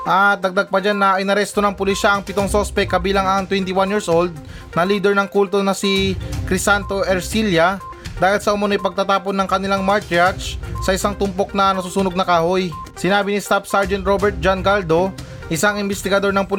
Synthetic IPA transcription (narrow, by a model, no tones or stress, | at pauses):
ʔɐt̪̚nɐɡ̚d̪ɐɡ̚pɐd͡ʒanːɐʔɐjnɐɾɛst̪o̞nɐŋpʊliʃɐʔɐŋpɪt̪o̞ŋsospɛkːɐbiːlɐŋɐŋt̪wɛnt̪ɪwanjiːɹsʔold̪̚ | nɐliːd̪ɛɹnɐŋkult̪o̞nɐsikɾɪsant̪o̞ʔɛɾsiljɐ | d̪aːhɪlsɐʔʊmɐnojpɐɡ̚t̪at̪aːponːɐŋkɐnɪlaŋmaɹt̪at͡ʃsɐʔɪsaŋt̪ʊmpo̞k̚nɐnɐsusuːnoɡ̚nɐkaːhoj | sɪnaːbɪnist̪afsaɹd͡ʒɛnt̪̚ɾobɛɹt̪̚d͡ʒanɡald̪o̞ | ʔɪsaŋɪmbɪst̪ɪɡɐd̪o̞ɹnɐŋpʊl